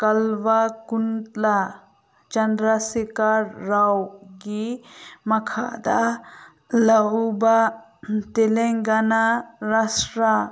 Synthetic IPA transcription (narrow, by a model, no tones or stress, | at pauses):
kɐlʋakunt̪la | t͡ʃɐnd̪ɾasikaɾːawɡimɐkʰa̰d̪a | lɐɦuba | t̪eleŋɡanaɾasɾa